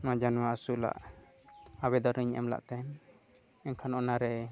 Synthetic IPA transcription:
mãd͡ʒanwaasula̰ʔ | aβɛd̪ɔɾniɲʔɛ̰mla̰ʔt̪ɛn | ɛŋkʰanɔnaɾɛ

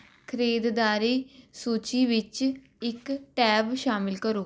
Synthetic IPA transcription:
kʰɾeːd̪d̪aːɾeːsuːt͡ʃiːʋɪt͡ʃ | ɪkʈɛːbʃaːmɪlkəɾoː

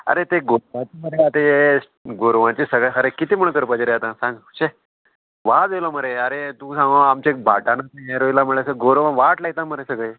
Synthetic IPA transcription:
ə̰ɾet̪eɡoɾʋãt͡ɕiməɾeat̪eje | ɡoɾʋãt͡ɕisəɡɭəɦəɾekit̪imuɳkəɾpəd͡ʑɾeat̪ãsãŋɡɕe | ʋad͡zejloməɾeəɾet̪ũːsãŋɡaamt͡ɕek̚bʱaʈanat̪ẽeɾojlaməɭlesəɡoɾʋãʋaʈlaɡt̪ãməɾesəɡɭej

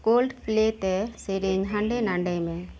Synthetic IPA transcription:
koːlɖpleːt̪ːeseɾiŋɦɐɳɖenɐɳɖɐɪme

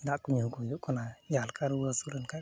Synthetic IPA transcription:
dakːuɲokujukunajalkaɾwasuɾanka

